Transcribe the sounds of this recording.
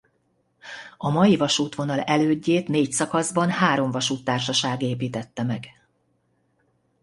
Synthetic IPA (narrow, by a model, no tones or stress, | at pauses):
ɒmɒjivɒʃuːt̪ʋo̞nɒlɛløːɟːeːt̪neːcsɒkɒzbɒnhaːɾo̞ɱvɒʃuːt̪ːaːrʃɒʃaːɡeːpiːt̪ɛt̪ːɛmɛɡ